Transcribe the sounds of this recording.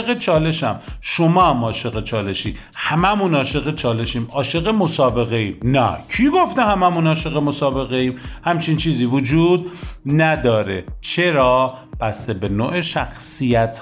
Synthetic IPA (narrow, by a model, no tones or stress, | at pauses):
ɣet͡ʃʰɒːle̞ʃæmʃomɒːæmɒːʃe̞ɣet͡ʃʰɒːle̞ʃiː | hæmæmunɒːʃe̞ɣet͡ʃʰɒːle̞ʃiːmɒːʃe̞ɣemosɒːbe̞ɣe̞iːmnæ̰kʰiɡo̞ft̪ehæmæmunɒːʃe̞ɣemosɒːbe̞ɣe̞imhæmt͡ʃʰint͡ʃʰiːziːvod͡ʒuːd̪næd̪ɒːɾe̞̰t͡ʃʰe̞ɾɒː | b̥æsebe̞noːʔeʃæxsijæt̪ʰ